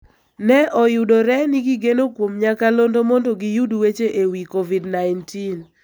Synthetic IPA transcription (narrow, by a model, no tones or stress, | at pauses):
nɛʔɔjudoɾɛniɡiɡenokwomɲakalondomondoɡijudwet͡ʃeʔewikovidnaɪntin